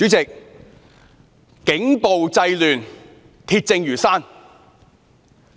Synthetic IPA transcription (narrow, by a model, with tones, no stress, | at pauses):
y˨˥t͡sɪ˨k̚ | kɪ˨˥ŋpo˨wt͡sɐ˧jlyː˨n | t̪ʰiː˧t̚t͡sɪ˧ŋjyː˨˩saː˥n